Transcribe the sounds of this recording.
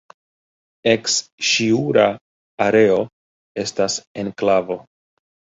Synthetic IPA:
e̞ksʃiuɾaː | ɾe̞o̞ | e̞stase̞nklavo̞

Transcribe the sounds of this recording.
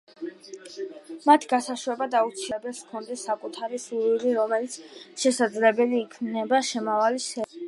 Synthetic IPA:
mat̪ʰɡasaʃuɛbad̪aut̪sʰiɛbɛskʰɔnd̪ɛsːakʼut̪ʰaɾisuiɾiɾɔmɛlit̪sʰʃɛsad̪zlɛbɛliːkʰmnɛbaʃɛmavalisɛ

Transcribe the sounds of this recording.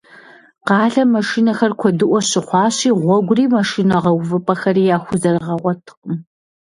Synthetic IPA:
qɑːɬɐmɐʂiːnɐxɐrkʷʰɔdɨʔʷɔɕɪχʷɑːɕiːʁʷɔɡʷʊriːmɐʂiːnɐʁɐwvɨpʼɐxɐɾiːjaːxʷʊzɐrʁɐʁʷɔtʰqʼʊm

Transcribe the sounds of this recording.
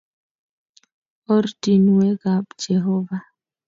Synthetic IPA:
ɔɾdinwɛɡaɓd͡ʒɛɦɔva

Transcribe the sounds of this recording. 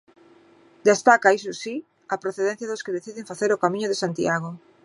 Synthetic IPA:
d̪est̪akaisosi | ɐpɾoθeðẽn̟θjaðoskeðeθiðeɱfaθeɾokamĩɲʊðesant̪iaɣ̞o

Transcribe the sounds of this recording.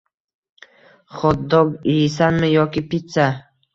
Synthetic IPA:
χɒt̪̚ːɒɡisanmɪjɒkʲɪpɪt̪sa

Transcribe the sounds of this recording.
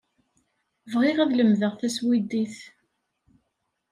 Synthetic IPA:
vʁɪʁæðləmðəʁθæswid̪iθ

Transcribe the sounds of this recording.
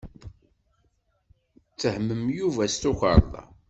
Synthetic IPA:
t͡sːəhmːəmjuvæst̪uçə̰ɾˤðˤɑ̰

